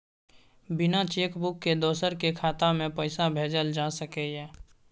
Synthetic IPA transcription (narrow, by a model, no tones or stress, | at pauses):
bɪnat͡ʃeːkbʊkːed̪ɔːsəɾkekʰaːt̪amẽpəɪsabʱeːd͡ʒəld͡ʒaːsəkejɛː